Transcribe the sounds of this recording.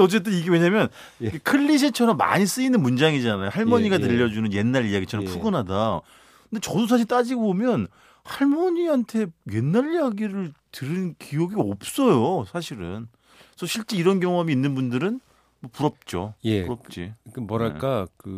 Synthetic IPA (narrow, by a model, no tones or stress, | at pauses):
ʌt͡ɕ͈e̞t̬͈ɯniɡeweɲamjʌn | kekʰɯʎːiɕ̬ʰet͡ɕʰʌɾʌmːa̰ɲis͈ɯinɯnmund͡ʑaŋid͡ʑanajohaɭmmʌɲiɡat̬ɯʎːʌd͡ʑunɯnje̞nːaɾijaɡit͡ɕʰʌɾʌmpʰuɡɯnɦada | kɯndet͡ɕʌdos̬ʰaɕ̬ʰiɭt͈ad͡ʑiɡbomjʌn | haɭmʌɲiɦantʰe̞je̞nːaɾijaɡiɾɯɭtɯɾɯnkijoɡiʌp̚s͈ʌjosʰaɕʰiɾɯn | sʰʌɕʰiɭt͡ɕ͈e̞iɾʌnkjʌŋoɦamiːnːɯnbundɯɾɯn | mʌpuɾʌp̚t͡ɕ͈ojpuɾʌp̚t͡ɕ͈ikɯmʌɾaɭk͈akɯ